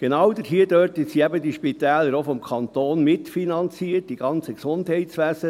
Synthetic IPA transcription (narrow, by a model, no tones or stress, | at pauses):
ɡ̥enɑwd̪ətɦiədøːɾtəsiæbədiʃpitæːləɾofɔmkʰɑnt̪oːnmɪtfinɑnt͡siːət̚d̥iɡ̥ɑnt͡səksʊndhɛɪtsʋæsə